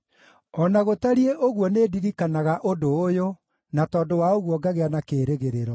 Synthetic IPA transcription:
ɔnaɣotaɾieʔoɣuɔnediɾikanaɣaʔodoːjo | natɔːdowaoɣuɔɡaɣeanakeːɾeɣeɾeɾɔ

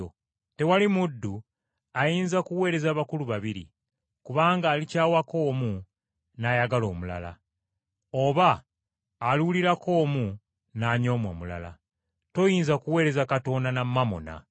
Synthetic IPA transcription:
o | te̞walimudːu | ajiːnzakuwe̞ːɾe̞zaːβakuluβaβiɾḭ | kuβaːŋɡaːlicaːwako̞ːmu | najaɡalo̞ːmula̰la̰ | o̞βaː | luuliɾako̞ːmu | naːɲo̞ːmwo̰mula̰la̰ | to̞jiːnzakuwe̞ːɾe̞zakato̞ndanamːamo̰na̰

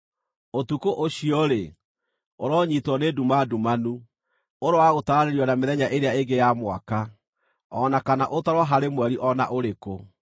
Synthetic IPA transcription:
otukoʔoɕiɔɾe | oɾɔɲitwɔnedumadumanu | oɾowaɣotaɾaɾeɾiɔnameðɛɲaʔeɾeaeɡejamwa̰ka | ɔnakanaʔotaɾwaɦaɾemwɛɾiʔɔna̰ʔoɾeko

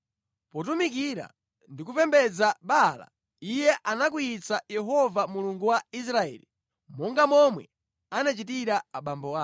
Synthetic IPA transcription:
pɔt̬umik̬iɾa̰ | ndikupɛmbɛd͡zaɓala̰ | ijɛʔanak̬ujit͡sajɛɦɔvamuluŋɡuwais̬ɾaɛ̰ːli | mɔŋɡamɔmwɛ̰ | anat͡ʃitiɾaaɓambɔa

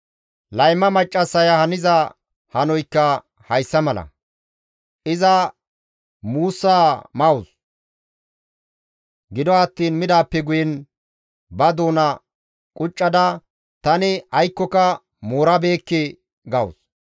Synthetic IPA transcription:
lɐjmːɐmɐt͡ʃʼːɐsːɐjahɐnɪzɐ | hɐnɔjkːɐ | hɐjsːɐmɐlɐ̰ | ʔɪzɐ | muːsːaːmɐwʊs | ɡɪd̪ɔɐt̪ːiːnmɪd̪aːpːɛɡʊjɛn | bɐd̪o̞ːnɐ | kʼʊt͡ʃʼːɐd̪ɐ | t̪ɐnɪɐjkːɔkɐ | moːɾɐbe̞ːkːɪ | ɡɐʊ̰s

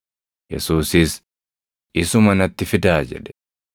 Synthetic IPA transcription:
jɛ̰suːsɪs | ʔɪsʊmɐnɐt̪ːɪfɪd̪aːd͡ʒɛ̰ᶑɛ̥

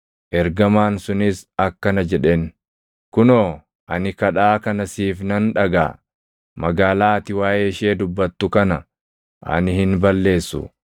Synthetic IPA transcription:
ʔɛɾɡɐmaːnsʊnɪsɐkːɐnɐd͡ʒɛᶑen | kʊnoː | ʔɐnɪkɐᶑaːkɐnɐsiːfnɐnᶑɐɡa̰ː | mɐɡaːlaːt̪ɪwaːjʔeːɪʃeːd̪ʊbːɐt̪ːʊkɐnɐ | ʔɐ̰nɪhɪnbɐlːe̞ːsːʊ̰

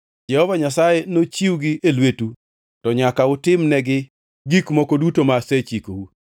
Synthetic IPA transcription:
d͡ʒɛhɔvaɲasajɛnot͡ʃiwɡɪʔelwetu | tɔɲakaʊtɪmnɛɡɪ | ɡikmɔkodutomaset͡ʃikowu

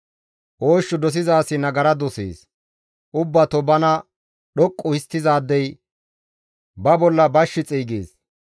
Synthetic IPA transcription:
ʔoːʃːʊd̪ɔs̬ɪzaːsɪnɐɡɐɾɐd̪ɔsḛːs | ʔʊbːɐt̪ɔbɐnɐ | ɗɔkʼːʊɪst̪ːɪzaːd̪ːɛj | bɐbɔlːɐbɐʃːɪt͡sʼiːɡeːs

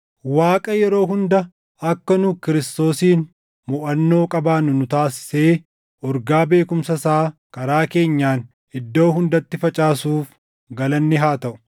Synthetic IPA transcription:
waːkʼɐjɛɾo̞ːɦʊnd̪ɐ | ɐkːɐnʊkɪɾɪst̪o̞ːsiːn | mʊʔɐnːo̞ːkʼɐbaːnʊnʊt̪aːsɪ̥se̞ː | ʔɔɾɡaːbe̞ːkʊmsɐsaːkɐɾaːke̞ːɲːaːn | ɪd̪ːo̞ːɦʊnd̪ɐt̪ːɪfɐt͡ʃʼaːsuːf | ɡɐlɐnːɪɦaːt̪ɐʔʊ̥

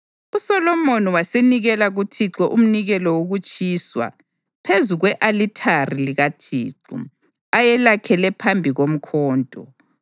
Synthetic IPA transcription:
usɔlɔmoniwaseniɣɛlaɣutʰiǁɔʔum̩niɣɛlɔwoɣut͡ʃʼiːswa̰ | pʰezuɣwɛʔalitʰariliɣatʰḭːǁṵ | ajɛlakʰɛlɛpʰambʱiɣom̩kʰɔːntʼɔ

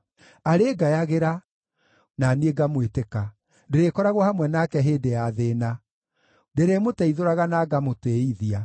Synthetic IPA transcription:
aɾeːɡajaɣeɾa | nanieɡamweteka | deɾekɔɾaɣwɔhamwɛnakɛɦeːdejaðeːna | deɾemotɛiðoɾaɣanaɡamoteiðia

